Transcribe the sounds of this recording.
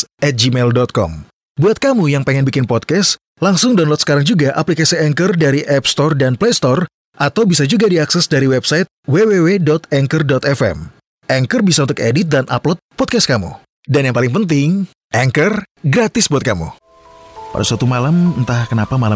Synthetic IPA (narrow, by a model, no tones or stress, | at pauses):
ɛt̪̚d͡ʒimɛldɔt̪̚kɔ̰m | buat̪̚kamujaŋpeŋɛnbikɪnpɔd̚kɛs | laŋsʊŋdanlɔt̪sə̥kaɾaŋd͡ʒuɡaʔaplikasiɛŋkərdaɾiʔɛpst̪ɔrdanplest̪ɔr | ʔat̪awbisad͡ʒuɡadiaksɛsdaɾiwɛbsajt̪̚wewewedɔt̪ɛŋkərdɔt̪ɛfɛ̰m | ʔɛŋkərbisaunt̪ʊkedɪt̪̚danʔa̰plɔt̪̚pɔd̚kɛs̚kamṵ | danjaŋpalɪŋpənt̪̬ɪŋ | ʔɛŋkər | ɡɾat̪ɪsbuat̪̚kamṵ | pa̰da̰sat̪umalamənt̪ahkənapamala